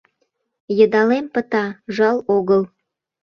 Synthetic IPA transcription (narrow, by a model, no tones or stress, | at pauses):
jəd̪ɑlempət̪ɑʒɑloɣəl